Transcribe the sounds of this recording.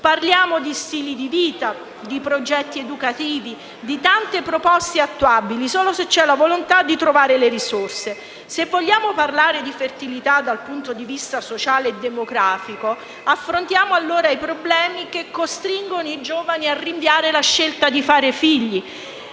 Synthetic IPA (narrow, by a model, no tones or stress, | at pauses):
parljaːmod̪ist̪iːlid̪iviːt̪a | d̪ipɾod͡ʒɛt̪ːied̪ukat̪iːvi | d̪it̪ant̪epɾopɔst̪eat̪ːuabilisoːloset͡ʃːɛlavolont̪ad̪ːit̪ɾovaːɾeleɾisorse | sevːoʎːaːmoparlaːɾed̪ifert̪ilit̪ad̪alpunt̪od̪ivist̪asot͡ʃaːleːd̪ːemoɡɾaːfiko | afːɾont̪jaːmoalːoːɾajpɾoblɛːmikekːost̪ɾiŋɡonoid͡ʒoːvaniariɱvjaːɾelaʃːelt̪ad̪ifaːɾefiʎːi